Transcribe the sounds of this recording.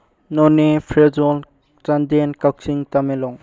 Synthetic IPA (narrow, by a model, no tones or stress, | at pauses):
nɔnepʰɾezɔl | t͡ʃandenkawk̚siŋtamelɔŋ